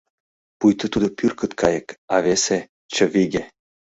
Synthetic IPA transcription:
pujt̪ə̆t̪ud̪ŏpyrkə̆t̪kʰɑjɤ̆kɑvese | t͡ɕə̆viɡʲe

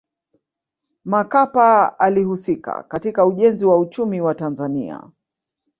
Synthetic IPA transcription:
makapaalihusika̰katikauʄɛnziwaut͡ʃumiwatanzanḭa̰

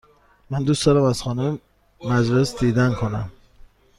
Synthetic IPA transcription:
mænd̪ust̪ɒːnæmæz̥xɒːnum | mæd͡ʒlesd̪iːd̪ænkʰonæm

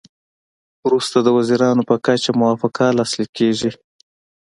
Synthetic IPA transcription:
wɾust̪ad̪əwaziɾɑnopəkat͡ʃamʊwɑfɪqalɑslikeʐi

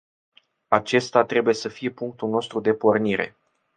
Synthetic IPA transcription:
at͡ʃe̞st̪at̪ɾe̞buje̞səfije̞puŋk̚t̪ulno̞st̪ɾud̪e̞po̞rniɾe̞̰

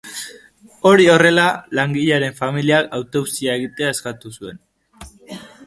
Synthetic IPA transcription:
o̞ɾio̞re̞lalaŋɡiʎaɾe̞ɱfamiliakawt̪o̞wsiae̞ɣit̪eae̞skat̪usue̞n

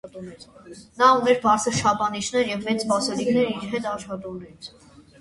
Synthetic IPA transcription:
ɛnɑunɛɾbɑɾt͡sʰəɾʃɑpʰɑnit͡ʃʰn̪ɛɾjɛvːɛt͡sspɑsɛlikʰnɛɾiɾɦɛt̪ɑʃχɑt̪unɛit͡sʰ

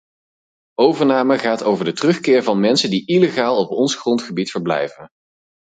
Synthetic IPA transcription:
owvəɹnaːməχaːtowvəɹdətərɵχkɪːɹvɑnmɛnsəndiʔileχaːlˠɔpɔnsχrɔntχəbitfəɹblɛ̰jvən

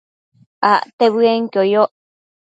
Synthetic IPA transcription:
aʔt̪eβɨeŋkojoʔ

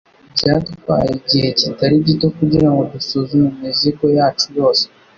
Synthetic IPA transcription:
bɟatkwa̰ːjiɟihe̞citaɾiɟitokuɟiɾaŋɡo̞dusuzumumiziɡo̞jaːt͡ʃujo̞ːse

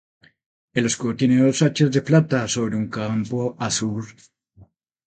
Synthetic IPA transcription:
eloskot̪jeneðosat͡ʃezd̪e̞plat̪aso̞βɾe̞uŋkampoasuɾ

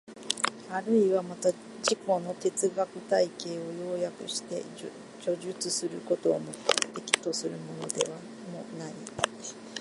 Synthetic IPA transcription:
aɾɯ̟iβamat̪a | d͡ʑiko̞no̞t̪e̞t͡sɨɡakɯ̟t̪aike̞ːo̞jo̞ːjakɯ̟̰ɕi̥t̪e̞̰ | d͡ʑo̞ʑɨt͡sɨsɨɾɯ̟ko̞t̪o̞ːmod̪e̞kʲi̥t̪o̞sɨɾɯ̟mo̞no̞d̪e̞̰βa | mo̞nai

